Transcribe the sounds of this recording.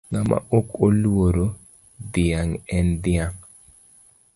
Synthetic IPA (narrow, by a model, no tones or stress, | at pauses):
ŋamʔa̰ʔokolwoɾo | d̪ɪaŋɛnd̪ɪaŋ